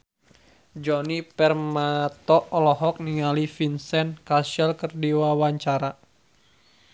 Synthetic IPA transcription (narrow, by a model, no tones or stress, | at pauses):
d͡ʒɔnipɛrmat̪ɔlɔɦɔk̚niŋalifinsɛnkasɛlkərdiwawaɲt͡ʃaɾa